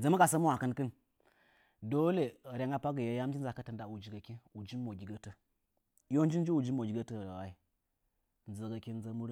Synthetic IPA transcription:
d͡zə˨mə˦ɡa˨sə˦mu˦wa˨kə˦nkə˦n | do˦le˨ɾe˨ŋa˦pa˦ɡə˨ja˨˦ja˦m˦d͡ʒi˦n˦za˨kə˦tə˨nda˨wu˨d͡ʒi˨ɡa˨ki˦u˨d͡ʒi˦mo˨ɡʲi˨ɡə˦tə˦ | jo˦n˦d͡ʒi˦n˦d͡ʒi˦u˨d͡ʒi˦mo˨ɡʲi˨ɡə˦tə˦˨a˨wa˨i˦ | n˨d͡zə˨ɡa˨ki˦n˦d͡zə˦mu˦ɾ

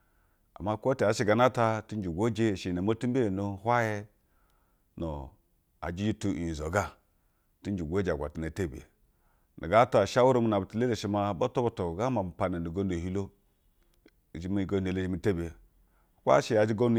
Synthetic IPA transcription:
a̰˨ma˦˨kʷo˦ti˨a˨˦ʃi˦ɡa˨na˦ta˦ti˦n˦d͡ʒu˨ɡʷo˦d͡ʒe˦˨ʃi˨na˨m˦o˦tu˦mbe˦˨no˨hwa˦je˦ | no̰˨ | a̰˨d͡ʒi˦d͡ʒi˦tu˨i˨zo˨ɡa˦ | ti˦n˦d͡ʒu˨ɡʷo˦d͡ʒa˨ɡʷa̰˨ti˨n˨a˨te˦bḛ˨ | nḭ˨ɡa˦to˦˨ʃa˦wu˦ɾo˦mi˦na˨bti˨le˦le˨ʃi˦ma˦bo˦to˦bo˦to˨ɡa˦ma˨m̩˨pa˨ne˨n˨i˨ɡo˦ndo˨hi˦lo˦˨ | d͡ʒi˦mi˦˨ɡo˦n˦e˨le˦˨d͡ʒi˨mi˨te˦be˨ | kʷa̰˦ʃi˦ja˨d͡ʒi˦ɡo˦n˦

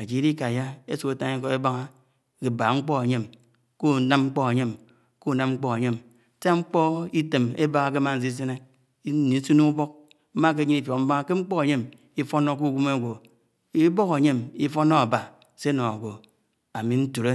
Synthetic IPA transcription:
a˨d͡ʒi˨˦ɾi˦ka˨ja˦e˦su˨ke˨ta˦ŋi˦ko˦e˦ba˦ŋa˦ | ke˨ba˨ŋ͡m̩˦k͡po˦e˨ɲe˦m | ko˦˨na˦m˦ŋ͡m̩˦k͡po˦e˨ɲe˦m | ko˦˨na˦mŋ͡m̩˦k͡po˦ke˨ɲe˦m˦ | ta˦ŋ͡m̩˦k͡po˦i˦te˨mḛ˦ba˦ŋa˨ke˦ma˦˨n̩˦s̬i˦s̬e˦ne˦ | i˦ni˨˦su˦nu˦bo˦k̚ | m̩˦ma˦k̬e˦ɲi˦ni˦fo˨km̩˦ba˦ŋa˦ke˦ŋ͡m̩˦k͡po˦ke˨ɲe˦m | i˦fo˦no˦k̬u˦˨ɡu˦me˦˨ɡʷo˨ | i˦bo˦ke˨ɲe˦mi˦fo˦no˦a˨ba˨ | se˦no˨a˨ɡʷo˨ | a˨mi˨n̩˦tu˨ɾe˦

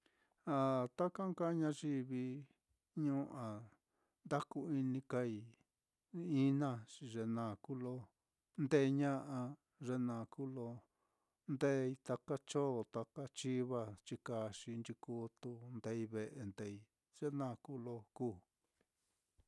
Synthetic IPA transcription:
a˨t̪a˦ka˦ŋka˦ɲã˧ʒi˧βi˧ | ɲũ˦ʔã˨ | nd̪a˦ku˧i˧nĩ˧ka˧i˧ | i˦nã˦˧t͡ʃi˧ʐe˧nãː˧˨ku˦lo˧ | nd̪e˦˧ɲã˦ʔa˧ | ʐe˧nã˨ku˦lo˧ | nd̪e˦˧i˧t̪a˧ka˦t͡ʃo˦˨t̪a˧ka˦t͡ʃi˦βa˧t͡ʃi˧ka˧ʃi˧nt͡ʃi˧ku˧˦t̪u˧nd̪e˧˦i˧βe˧ʔe˧nd̪e˧˨i˧ | ʐ̥e˦nã˦˧˨ku˦lo˧kuː˦˨

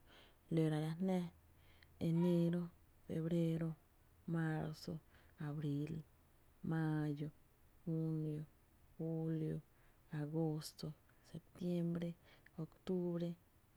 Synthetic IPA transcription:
lo˨ɾa˨ɾa˧nɛ̃˦ | e˨ne˦ɾo˦ | fḛ˨βɾe˦ɾo˧ | ma˦ɾso˧a˨βɾi˨˧l | ma˦˧jo˨ | xu˦njo˨ | xu˦ljo˨ | a˨ɡo˦st̪o˧ | se˨p̚t̪je˦mbɾe˦o˨kt̪u˦βɾe˦

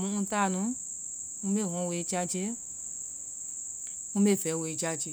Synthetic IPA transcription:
mũ˧˦ũ˧˦ta˦˨nũ˨˦ | ũ˦me˦˨ɦɔ̃˧we˧d͡ʒa˧d͡ʒe˧˦ | ŋũ˦me˦˨fɛ˨˦˨we˧˨d͡ʒa˧d͡ʒe˧˦

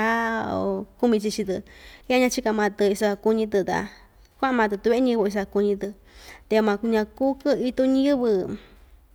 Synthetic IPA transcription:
a˦o̰˧ku˦mĩ˧t͡ʃi˧t͡ʃi˧t̪ɨ˧i˦a˧ɲã˧t͡ʃi˦ka˧mã˧t̪ɨ˧i˧sa˧ku˧ɲĩ˧t̪ɨ˧t̪a̰˧ | kʷa˦˧mã˧t̪̬ɨ˧t̪u˧βe˧˦ɲĩ˧βo˧i˧s̬a˧ku˧ɲĩ˧t̪ɨ˧ | t̪e˧mã˧ɲã˧ku˦kɨ˦i˧t̪u˧ɲ̃˦ɨ˦βɨ˧

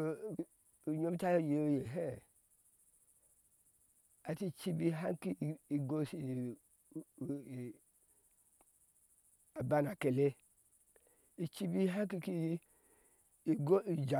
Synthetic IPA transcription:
ɲo˦m˦ta˦jo˦˨je˨o˦je˨ɦe˦˨ | a˨ti˦˨t͡ʃi˦bi˦ɦa˦ki˦˨i˨ɡo˦si˨ | a˨ba˦na˨ke˨le˦ | i˨t͡ʃi˦bi˦ɦa˦ki˦ki˦˨ | ɡo˦i˨d͡ʒa˨

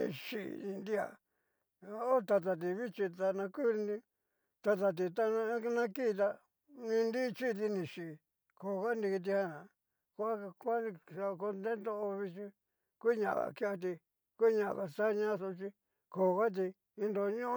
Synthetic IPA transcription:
ḭ̃˧ʃḭ˨ĩ˧nd̪i˦a̰˨˧ | o˦t̪a˧t̪̬a˧t̪̬i˧βi˦t͡ʃi˧t̪a˧nã˧ku˦ɾnĩ˧ | t̪a˧t̪̬a˧t̪̬i˨t̪a˧nã˧˦nã˧˦ki˦˧t̪̬a˧ | nĩ˧nd̪i˦˧t͡ʃi˦˧t̪̬i˧nĩ˨ʃi˨ | ko˨ɣa˦ni˧ki˧t̪̬i˧ha˦ã˨ | ko˧a˦˧kʷã˦˧a˧ko˧nd̪e˦nd̪o˦˧o˧βi˧t͡ʃi˧ | kʷu˦ɲã̰˧ʔβa̰˨ki˦a˧t̪̬i˧ | kʷu˦ɲã˧ʔβa˨˧sa˦ɲã˦˧so˧t͡ʃi˧ | ko˨˧ɣa˦t̪̬i˧ | ĩ˧nd̪o˧ɲõ˦

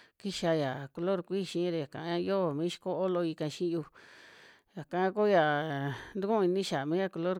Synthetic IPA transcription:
ki˦ʃa˧ja˨ko˧lo˦ɾkʷi˦˨ʃĩ˧˦ɾe˧˨ja˨kã̰˨˧˦a˦jo˦˨mĩː˦ʃi̥˧ko˦o˦lo˧i˧kã˧ʃĩ˦˧ju˧ | ja˨kã˧˦ko˦ja˨nd̪u˦kũ˦˧i˧nĩ˦ʃa˨mĩː˦ja˧˨ko˧lo˦ɾ

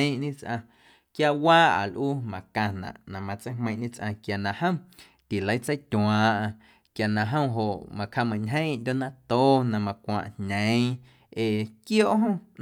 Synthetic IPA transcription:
ʔɲĩ˦t͡sʔã˧ | kja˦ʔwaː˦ʔa̰˨lʔuː˦mã˨kã˧nã̰˨ʔnã˨mã˧t͡sə˦hmə̃˧j̃ʔɲĩ˦t͡sʔã̰˧kja˨nã˧hə̃˦w̃ | t̪i˨lə˨˦jt͡sə˦jt̪ʲw̃ãː˨ʔã˧ | kja˨nã˧ʔɦə̃˦ɦo˨ʔmã˧kha˧mã˨ɲɦə̃˦˧nd̪ʲo˦nã˦t̪oː˦nã˧˨mã˧kʷã̰˧˨ʔɲnə̃˨˦ | e˨kjoː˦˨ʔɦõ˦˨

